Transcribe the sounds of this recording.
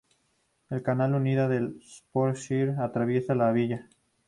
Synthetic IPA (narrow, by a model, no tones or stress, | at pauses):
e̞lkanaluniðaðelspoɾʃiɾat̪ɾaβje̞salaβiʎa